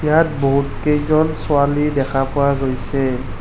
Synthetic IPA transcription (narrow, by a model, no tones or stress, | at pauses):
jat̚boɦutkejzɔnsʊalidɛkʰapʊwaɡojsɛ